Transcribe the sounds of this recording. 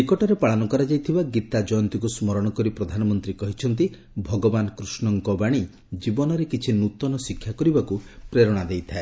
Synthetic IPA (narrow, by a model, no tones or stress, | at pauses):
ikɔʈɔɾepaɭanɔkɔɾad͡ʒajt̪ʰibaɡit̪ad͡ʒɔjɔnt̪ikusmɔɾɔɽ̃ɔkɔɾipɾɔd̪ʱanɔmɔnt̪ɾikɔɦit͡ʃʰɔnt̪̬i | bʱɔɡɔbanɔkɾusnɔŋkɔbaɽ̃i | d͡ʒibɔnɔɾekit͡ʃʰinut̪ɔnɔsikʰːjakɔɾibakupɾeɾɔɽ̃ad̪ejt̪ʰae